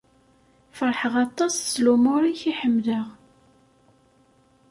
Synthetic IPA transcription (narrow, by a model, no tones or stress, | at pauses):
fəɾˤħəʁɑt̪ˤːɑsslumʊɾiçiħəmːðəʁ